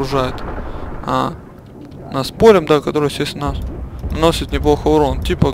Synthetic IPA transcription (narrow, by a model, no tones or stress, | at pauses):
ɾʊʐajɪt̪ | a̰ | naspoɾʲɪmd̪akɐt̪oɾɨsʲesʲt̪ʲnasnɐno̞sʲɪt̪nʲɪplˠoxəʊɾontʲipə